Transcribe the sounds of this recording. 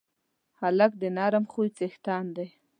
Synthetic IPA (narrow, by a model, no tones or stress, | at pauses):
halak̚d̪ənɑɾamxujt͡sext̪ɑnd̪ej